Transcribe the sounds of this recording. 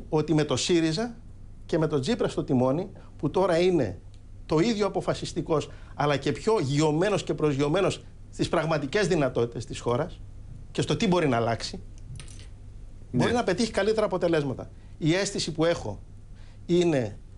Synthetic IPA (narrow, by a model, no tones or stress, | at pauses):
o̞t̪ime̞t̪o̞siɾizɐ | ce̞me̞t̪o̞d͡zipɾɐst̪o̞t̪imo̞ni | put̪o̞ɾɐine̞̰ | t̪o̞iðʝo̞ɐpo̞fɐsist̪iko̞s | ɐlɐce̞pço̞ʝio̞me̞no̞sce̞pɾo̞zʝio̞me̞no̞s | st̪ispɾɐɣmɐt̪ice̞zðinɐt̪o̞t̪it̪e̞st̪isxo̞ɾɐs | ce̞st̪o̞t̪ibo̞ɾinɐːlɐksi | bo̞ɾinɐpe̞t̪içi̥kɐlit̪eɾɐːpo̞t̪e̞le̞zmɐt̪ɐ̰ | ie̞sθisipue̞xo̞̰ | ine̞